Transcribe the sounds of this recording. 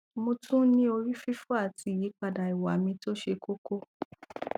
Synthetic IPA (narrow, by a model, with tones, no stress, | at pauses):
mõ˧tʰũ˦nĩ˦o˧ɾi˦fi˦fu˦a˦˨tʰi˧˦˨ji˨˦k͡pa˧da˨i˨wa˨mĩ˧to˦ʃe˧ko˦ko˦